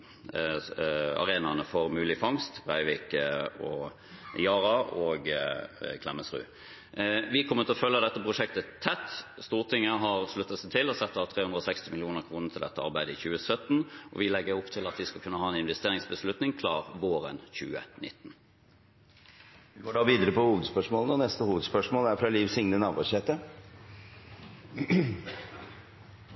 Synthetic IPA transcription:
ɑ̰ʁeːnɑnəfɔʁmʉːlɪfɑŋst̪bʁæɪʋɪːkəɔ | jɑːʁɑɔːɡ | kʰlɛməsʁʉ̰ː | ʋɪkʰɔmət̪ʰɪlɔfœlːəd̪ɛt̪ːəpʰʁʊʂɛkt̪ət̪ʰːɛt̪ːst̪uːʁt̪ʰɪŋːəɦɑʁʂlʉt̪ːɑt̪sɛt̪ʰɪlːɔsɛt̪ːəɑt̪ʰʁeːhʉnd̪əɔsɛkst̪ɪmɪlɪuːnəʁkʰʁuːnət̪ʰɪld̪ɛt̪ːəɑʁbæɪd̪əɪçʉːəsœt̪ːn̩ʔɔ̰ʋɪlɛɡːəɾʊpt̪ʰɪlɑt̪ʋɪskɑlkʰʉnːəhɑːɛnɪnʋɛst̪eːʁɪŋsbəslʉt̪nɪŋkʰlɑːʁʋoːɾə̰nçʉ̰ːə̰nɪt̪ːn̩ | ʋɪɡoːɖɑʋiːd̪əɾəpɔhuːʋəd̪spœʂmoːlənɔnɛst̪əhuːʋəd̪spœʂmoːlæɾfɾɑliːʋsɪŋnənɑːbusɛt̪ə

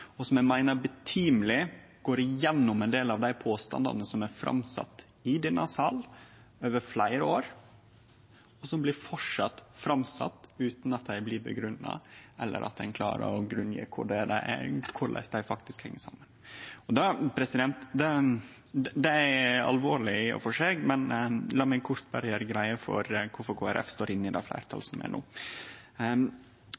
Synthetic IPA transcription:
ɔsɔmæɪmæɪnəɾbɛt̪ʰiːmlɪ | ɡ̥oːɾɪjɛnːʊmɛnd̪eːlɑʋd̪æɪpʰoːst̪ɑ̰nd̪ɑ̰nəsɔmæfɾɑ̰msɑ̰t̪ː | ɪd̪ɛnːɑsɑl | øːʋəɾflæɪɾəoːɾ | ɔsɔmblɪɾfɔʂɑt̪ːfɾɑmsɑ̰t̪ːʉːt̪nɑt̪̚d̪æɪblɪːbə̰ɡɾʉnːɑ̰ɛlːə̰ɾʔɑ̰t̪̚d̪ɛnkʰlɑ̰ːɾə̰ɾɔɡɾʉnjḛːkʰʊɖɛɖɛkʰʊlʔɛ̰st̪d̪æɪfɑk̚t̪ɪskhɛŋːəsɑ̰mːənɔd̪ɑpʰɾɛsɪd̪ɛnt̪d̪ɛ | d̪d̪ɛæɑ̰lʋoːɭɪɔ̰fɔʂeːɡmɛnlɑːmæɪkʰʊɾt̪bæɾjəɾɡɾæɪəfɔ̰ɾkʰʊɾfɔɾkʰoːæɾɛ̰fst̪oːɾɪnːɪd̪ɛ̰flæ̰ɪɾt̪ʰɑ̰lsɔmɛ̰nʔṵː

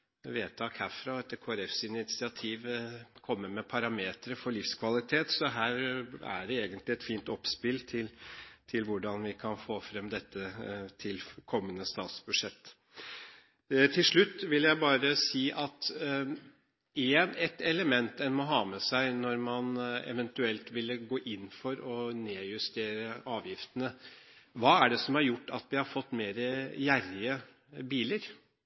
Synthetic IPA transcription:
ʋeːt̪ʰɑːkʰæfɾɑɛt̪ːkʰoːæɾɛfsɪnɪt̪sɪɑt̪ʰiːʋkʰɔmːəmɛpʰɑɾɑmeːt̪ɾəfɔɭɪfskʰʋɑlɪt̪ʰeːt̪sɔɦæːɾæ̰ɖɛeːɡənt̪lɪɛt̪fiːnt̪ɔpspɪlt̪ʰɪlt̪ʰɪlʋʊɖɑnʋɪkʰɑnfoːfɾɛmːd̪ɛt̪ʰːət̪ʰɪlkʰɔmːənəst̪ɑːt̪sb̥ʉʂɛt̪ː | t̪ʰɪlʂɭʉt̪ːʋɪljæɪbɑːɾəsiːʔɑt̪ | ɛnɛt̪ɛləmɛnt̪ɛnmɔɦɑːmɛsæɪnɔɾmɑnɛ̰ʋɛnt̪ʉɛlt̪ʋɪlːəɡoːʔɪnːfɔɾɔneːjʉst̪ʰeːɾəʔɑːʋjɪft̪ənəʋɑːæɖɛsɔmhɑɾjʊʈːɑ̰t̪ʋɪhɑɾfɔt̪ːmeːɾəjæɾːɪə | biːləɾ

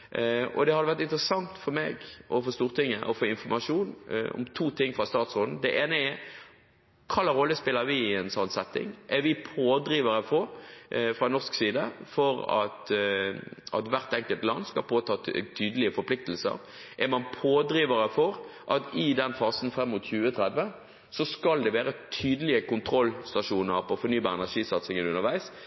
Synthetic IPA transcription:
ɔ̰d̪ɛhɑd̪ɛʋæʁt̪ɪnt̪ɾəsɑŋt̪fɔɾmeːɡʔɔfoːst̪uːʁt̪ɪŋːəʔɔ̰foːɪnfɔɾmɑʂuːnɔ̰mt̪ʰuːt̪ʰɪŋːfʁɑst̪ɑːt̪sʁoːd̪n̩d̪ɛʔeːnəɛ | kʰɑlːəɾɔlːəspɪlːəɾʋɪɛnsɔnːsɛt̪ːɪ̰ŋʔɛɾʋɪpʰoːd̪ɾiːʋəɾəfɔɾfɾɑnɔsksiːd̪əfɔɾɑ̰t̪ | ɑ̰t̪ʋæʁt̪ɛŋkəlt̪lɑnːskɑlpʰoːt̪ʰɑːt̪ʰyːd̪əlɪəfɔɾpʰlɪk̚t̪əl̩sə̰ɾ | ʔæmɑnpʰoːd̪ɾiːʋəɾəfɔɾʔɑt̪ɪd̪ɛnfɑːsnfɾɛmːʊt̪çʉːət̪ʰɾɛd̪ʋə | sɔskɑld̪ɛʋæːɾət̪ʰyːd̪əlɪəkʊnt̪ʰɾɔlst̪ɑʂuːnəɾpɔːfɔɾnyːbɑːɾɛnæʂiːsɑt̪sɪŋənʉnːəɾʋæɪs

